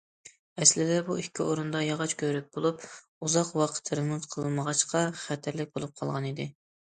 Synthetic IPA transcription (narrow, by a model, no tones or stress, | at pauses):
ɛslɪd̪ɛbuikʲʰːioɾund̪ɑjɑʁɑt͡ʃkʲʰøɾɪk̚ʲb̥olˠup | uzɑqwɑqʰə̥t̪ʰɾɨmuzqʰəlˠɨlməʁɑʃqʰɑχæt̪ʰæɾlɪk̚ʲbolˠup̚qʰɑlˠʁɑnid̪ɪ